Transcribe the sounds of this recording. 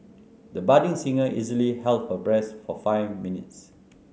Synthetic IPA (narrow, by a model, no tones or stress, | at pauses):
dəbadĩŋsĩŋəʔizəlihɛlt̚həbɹɛsfɔfaɪvmĩnɪ̰ts